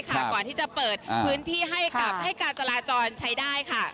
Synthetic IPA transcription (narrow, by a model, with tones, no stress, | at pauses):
kʰa˥˩kɔː˨˩nt̪ʰiː˥˩t͡ɕa˨˩pɤː˨˩t̪̚pʰɯː˦˥nt̪ʰiː˥˩ɦa˥˩ja˨˩p̚ha˥˩jka˨˧t͡ɕa˧laː˧t͡ɕɔː˧nt͡ɕʰa˦˥jdaː˥˩jkʰa˥˩